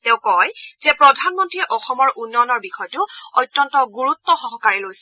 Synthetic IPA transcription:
tẽʊ̃kɔjzɛpɹɔdʱanmɔntɹiɛʔɔxɔmɔɹʔunːɔnɔɹbixɔjtʊɔjtːɔntɔɡuɹutːɔxɔɦɔkaɹilojsɛ

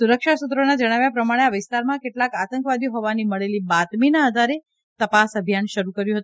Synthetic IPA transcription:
suɾəkʃasut̪ɾonad͡ʒəɽ̃aʋjapɾəmaɽ̃eaʋɪst̪aɾmãkeʈlakat̪əŋkʋad̪ijoɦoʋaniməɭelibat̪minaəd̪ʱaɾe | t̪əpasəbʱjanʃəɾukəɾjũɦət̪ũ

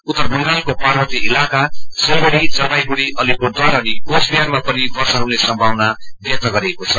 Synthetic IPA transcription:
ut̪ːʌrbʌŋɡalkoparbʌt̪iʔilakasʌboɽit͡sʌbajɡuɽiʔʌlikod̪ʌɾʌnikosbijarmapʌnibʌrsʌɦuw̃lesʌmbʱawnabjʌk̚t̪ʌɡʌɾiekot͡sʰʌ

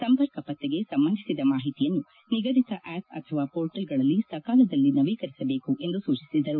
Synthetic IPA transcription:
sɐmpɐɾkɐpɐt̪ːeɡe̞sɐmbɐnd̪ʱisid̪ɐmaːɦit̪ijɐnːu | niɡɐd̪it̪ɐʔæːpɐ̰t̪ʰɐʋaːpoːɾʈɐlɡɐɭɐlːisɐkaːlɐd̪ɐlːinɐʋiːkɐɾisɐbe̞ːkuʔe̞nd̪usuːt͡ʃisid̪ɐɾu

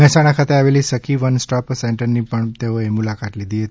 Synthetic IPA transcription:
ɛɦsaɽ̃akʰat̪eaʋelisəkʰiʋənsʈɔpseɳʈəɾnipəɳt̪eoemʊlakat̪lid̪ʱiɦət̪

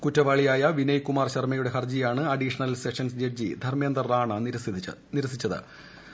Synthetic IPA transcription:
kutːɐʋaːɭijaːjɐʋinɐjkːumaːrɕɐrmɐjuɽe̞ɦɐrd͡ʑijaːɳɨɐɖiʂɐnɐlseʂɐnsd͡ʑed͡ʑḭd̪ʱɐrmeːnd̪ɐraːɳɐ | niɾɐsit͡ɕːɐðɨ̰

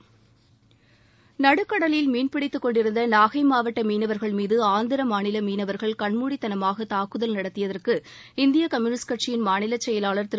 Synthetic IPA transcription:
nɐɽɯkːɐɽɐlɪjɪlmiːnpɪɽɪt̪ːɯkːɔɳɖɪɾɯnd̪ɐnaːɣɐɪmaːʋɐʈːɐmiːnɐʋɐɾɣɐɭmiːðɯaːnd̪ɪɾɐmaːnɪlɐmiːnɐʋɐɾɣɐɭkɐɳmuːɽit̪ːɐnɐmaːɣɐt̪aːkɯðɐlnɐɽɐt̪ːɪjɐðɐrkɯ | ɪnd̪ɪjɐkɐmjuːnɪskɐʈ̚t͡ʃijɪnmaːnɪlɐt͡ʃːɛjɐlaːɭɐɾt̪ɪ

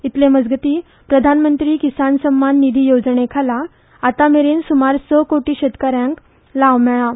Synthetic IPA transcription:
it̪leməd͡zɡət̪iː | pɾəd̪ʱanmənt̪ɾiːkisansəmːanːid̪ʱiːjod͡znekʰalaː | t̪ameɾeːnsumaɾsɔkoʈiːɕet̪kəɾjãŋk | laʋmɛɭã

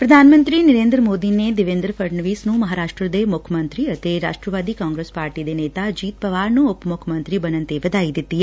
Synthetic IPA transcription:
pɾɐd̪ʱaːnmə̃nt̪ɾinɪɾeːnd̪ɾəmoːd̪ined̪ɪʋẽnd̪ɾəpʰəɾɳʋiːsnũmɐɦaɾaːʃʈɾəd̪eʋmʊkʰəmənt̪ɾiət̪eɾa̰ːʃʈɾəʋaːd̪ikãːŋɡɾespaːɾʈid̪eneːt̪ad͡ʒiːt̪̚pəʋaːɾnũʊpmʊkʰəmə̃nt̪ɾibənə̃nt̪eʋəd̪aid̪it̪ːi

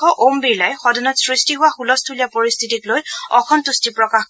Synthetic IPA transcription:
ɔʔombiɹlajxɔdɔnɔtsɹistiɦʊwaxulɔstʰulijapoɹistʰitiklojɔkʰɔntustipɹɔkax

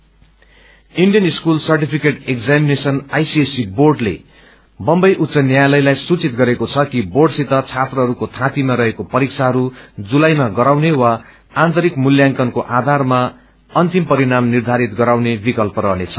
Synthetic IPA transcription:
iɳɖijʌniskulsʌrʈipʰikeʈekd͡zaminesʌnajsiesiborɖlḛ | bʌmbʌjʔut̪ːsʌnjajlʌjlajsut͡sit̪̚ɡʌɾekot͡sʰʌkiborɖsit̪ʌt͡sʰat̪rʌɦʌɾukot̪ʰãp̪imaɾʌɦekopʌɾiksʰaɦʌɾud͡zulajmaɡʌɾawnewa | ant̪ʌɾikmuljaŋkʌnkoʔad̪ʱarma | ʌnt̪impʌɾiɽamnird̪ʱaɾit̪ɡʌɾawnebikʌlpʌɾʌɦnet͡sʰʌ̥

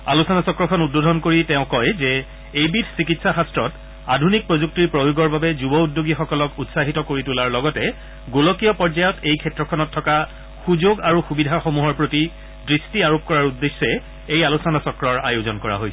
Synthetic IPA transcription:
alusɔnasɔkɹɔkʰɔnud̚bodʱɔnkoɹitɛʊ̃kɔjzɛ | ejbitʰsikitsaxastɹɔt | adʱunik̚pɹozuk̚tiɹpɹojoɡɔɹbabɛzubɔudːoɡixɔkɔlɔkutsaɦitɔkoɹitulaɹlɔɡɔtɛ | ɡolɔkijɔpɔɹd͡ʒajɔtejkʰɛtɹɔkʰɔnɔtʰːɔka | xuzoɡaɹuxubidʱaxomuɦɔɹpɹoti | dɹistiaɹop̚kɔɹaɹudːesːɛ | ejalusɔnasɔkɹɔɹa̰jozɔnkɔɹa̰ɦojs

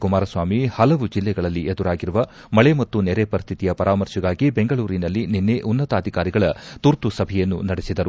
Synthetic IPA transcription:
kumaːɾɐsʋaːmihɐlɐʋud͡ʒilːɛɡɐɭɐlːied̪uɾaːɡiɾuʋɐ | mɐɭemɐt̪ːunɛːɾepɐɾist̪ʰit̪ijɐpɐɾʔaːmɐɾʂiɡaːɡibe̞ŋɡɐɭuːɾinɐlːininːeʔunːɐt̪aːd̪ʱikaːɾiɡɐɭɐt̪uɾt̪usɐbʱɛjɐnːunɐɽesid̪ɐɾu

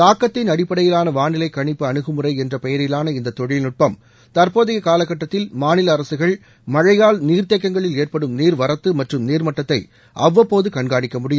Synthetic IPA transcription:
t̪aːkːɐt̪ːɪnɐɽɪpːɐɽɐjɪlaːnɐʋaːɳɪlɐɪkːɐɳɪpːɯɐɳɯɣɯmɯrɐɪɛndrɐpɛjɐɾɪlaːnɐɪnd̪ɐt̪ːɔɻɪlnʊʈ̚pɐm | t̪ɐrpoːðɪɣɐkaːlɐkːɐʈːɐt̪ːɪlmaːnɪlɐːɾɐsɯɣɐɭ | mɐɻɐjaːlniːrt̪ekːɐŋɡɐɭɪleːrpɐɽɯmniːɾʋɐɾɐt̪ːɯmɐʈrɯmniːɾmɐʈːɐt̪ːɐɪ | ʔɐʋːɐpːoːðɯkɐɳɡaːɳɪkːɐmʊɽɪjɯm

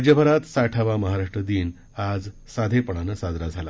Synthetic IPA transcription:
d͡ʑjəbʱəɾat̪saʈʰaʋaməɦaɾaʂʈɾəd̪iːn | ad͡z | sad̪ʱepəɳ̃anəsad̪ɾad͡zʱala̰

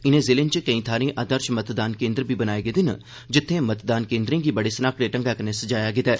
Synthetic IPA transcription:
ɪnẽzeːlẽnt͡ʃekɐĩt̪ʰaːɾẽʔaːd̪əɾʃmɐt̪d̪aːnkẽːnd̪ɾbʱibɐnaːeɡəd̪ɪnə̰ | d͡ʒɪt̪ʰːẽmɐt̪d̪aːnkẽːnd̪ɾẽɡibɐɽesənaːkɾeʈə̃ŋɡakɐnesɐd͡ʒaːjaɡɪt̪ɛː

